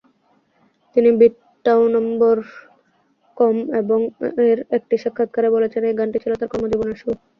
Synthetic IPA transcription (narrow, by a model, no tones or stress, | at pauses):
t̪inibiʈː | awnɔmboɾ | kɔmeboŋeɾek̚ʈiʃakʰːat̪̚kaɾebolet͡ɕʰenejɡaɳʈit͡ɕʰilot̪aɾkɔmod͡ʑiboneɾʃu